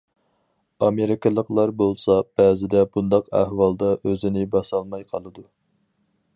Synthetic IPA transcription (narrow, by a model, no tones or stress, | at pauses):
ɑmeɾɪkʲɨlˠəqlˠɑɾbolˠsɑb̥ɛːzɪd̪ɛbund̪ɑqæ̰hwɑlˠd̪ɑʔøzɪnɪbɑsɑlˠmɑjqʰɑlˠɨd̪u